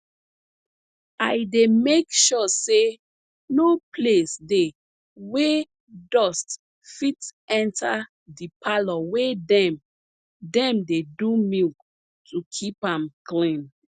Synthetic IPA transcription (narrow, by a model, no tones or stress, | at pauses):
ajdemekʃɔse | noplesde | we | dɔst | fitɛ̃ntʰa | dipʰalɔwedɛm | dɛ̃mdedumilk | tʰukʰipãmklĩn